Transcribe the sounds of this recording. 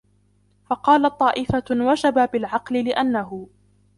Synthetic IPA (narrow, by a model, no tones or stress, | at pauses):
fɑqɑːlat̪̚ˤːɑːʔɪfawad͡ʒababɪlʕɑqlɪlɪʔanːaɦʊ